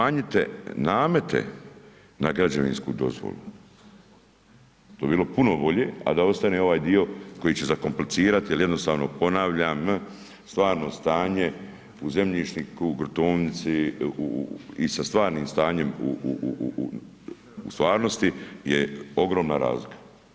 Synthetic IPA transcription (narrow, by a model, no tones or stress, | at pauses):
maːɲit̪ḛnaːme̞t̪ḛ | naɡɾad͡ʑaʋḭnskṵd̪o̞̰zʋo̰lṵ | t̪o̞ːebiːlo̞puno̞bo̞ʎeːa̰d̪ao̞st̪aneo̞ʋaːjd̪io̞ko̞jiːt͡ɕezako̞mplit̪siːɾat̪ijeljed̪no̞st̪aːʋno̞po̞naːʋʎam | st̪ʋaːɾno̞st̪aːɲe̞ | uze̞mʎiʃnikuɡɾot̪uːnit̪siṵisast̪ʋaːɾniːmst̪aːɲe̞muu | ṵst̪ʋaːɾno̞st̪ijeo̞ɡɾo̞ːmnaɾa̰ːzlikʰḁ